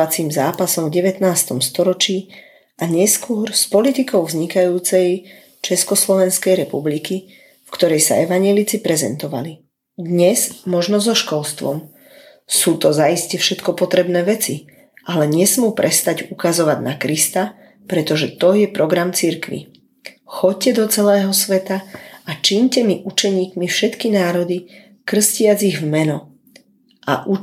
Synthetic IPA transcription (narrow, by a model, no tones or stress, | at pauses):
at͡siːmzaːpasɔmvɟɛʋɛt̪naːst̪ɔmst̪ɔɾɔt͡ʃiː | ʔaɲɛskʊɔɾspɔlit̪ikɔʊvzɲikajuːt͡sɛj | t͡ʃɛskɔslɔʋɛnskɛjɾɛpubliki | fkt̪ɔɾɛjsa̰ɛʋaɲɪɛlit͡sipɾɛzɛnt̪ɔʋa̰li | d̪ɲɛzmɔʒnɔzɔʃkɔlst̪ʋɔ̰m | suːt̪ɔzaiscɛfʃɛt̪kɔpɔt̪ɾɛbnɛːʋɛt͡si | ʔalɛɲɛsmuːpɾʔɛst̪aɟukazɔʋaɟnakɾist̪a | pɾɛt̪ɔʒɛt̪ɔjɛpɾɔɡɾamt͡siɾkʋḭ | xɔc̚cːɛd̪ɔt͡sɛlɛːɦɔsʋɛt̪aat͡ʃiɲcɛmiʔut͡ʃɛɲiːkmifʃɛt̪kinaːɾɔd̪i | kr̩scɪad͡ziɣvmɛnɔ | a̰ʔu